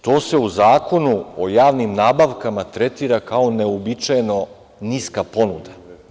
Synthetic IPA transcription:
t̪o̞ːse̞uzaːko̞nuojaːʋnimnaːbaʋkamat̪ɾet̪iːɾakao̞neobit͡ʃajno̞ | niskapo̞nud̪a

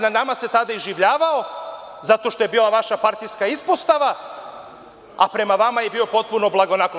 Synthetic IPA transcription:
nanamase̞t̪ad̪aiʒiʋʎaːʋao̞ | zat̪o̞ʃt̪o̞je̞biːlˠaʋaʃapaɾt̪ijskaispost̪aʋa | apɾe̞maʋamajebiːo̞po̞t̪̚puno̞blˠaɡo̞nak

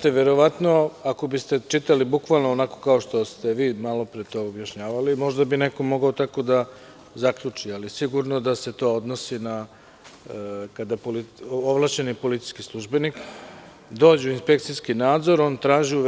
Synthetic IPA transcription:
t̪eʋeɾo̞ʋat̪no̞ako̞bist̪e̞t͡ʃit̪alibukʋalˠnoonakokao̞ʃt̪o̞st̪e̞ʋiːmalo̞pɾet̪oobjaʃɲaːʋalimo̞ʒd̪abineko̞mo̞ɡaot̪ako̞d̪a | zakʎut͡ʂialisiɡuɾno̞d̪ase̞t̪o̞ːod̪no̞sina | kad̪apolioʋlˠat͡ʃe̞nipo̞lit̪si̥skislˠuʒbenik | d̪o̞ːd͡ʑeuinspe̞k̚t̪sijskinaːd̪zo̞ɾo̞ːnt̪ɾaːʒiu

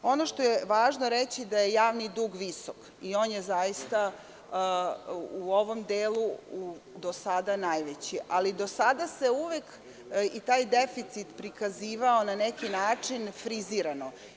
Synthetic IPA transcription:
o̞noʃt̪o̞jeʋaːʒnoɾet͡ɕid̪ajejaːʋnid̪uːɡʋisok | io̞ːnjezajist̪a | uo̞ʋo̞md̪eːlˠuud̪osad̪anajʋet͡ɕiʔalid̪o̞sad̪ase̞uʋek | it̪aːjd̪efit̪sit̪pɾikaziːʋaonanekinaːt͡ʂinfɾiziɾano

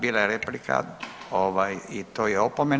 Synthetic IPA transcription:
biːlaeɾeplikʰa̰oʋajit̪oːjɛopome

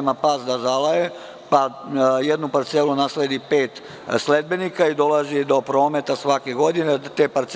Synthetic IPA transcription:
mapaːsd̪azalaje | pajed̪nupaɾt̪selunaːsled̪ipeːt̪ | sled̪̚be̞nikaid̪o̞lˠazid̪o̞pɾo̞ːmet̪asʋakeɡo̞d̪inet̪eːpaɾt̪s

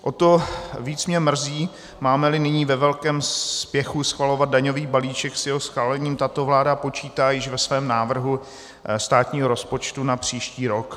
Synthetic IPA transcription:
ʔot̪o̞viːt͡smɲɛmr̩ziː | maːmɛlɪnɪɲiːvɛvɛlkɛːmspjɛxusxvalo̞vad̪̚daɲo̞viːbaliːt͡ʃɛksjɛɦosxvaːlɛɲiːmt̪at̪ovlaːdapo̞t͡ʃiːt̪aːjɪʃvɛsvɛːmnaːvr̩ɦu | st̪aːt̪ɲiːɦoɾo̞spo̞t͡ʃt̪unapr̝̥iːʃciːɾo̞k

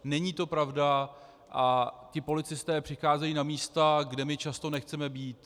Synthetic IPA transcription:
nɛɲiːt̪o̞pɾavda | ʔacɪpo̞lɪt͡sɪst̪ɛːpr̝̥ɪxaːzɛjiːnamiːst̪aɡdɛmɪt͡ʃast̪o̞nɛxt͡sɛmɛbiːt̪

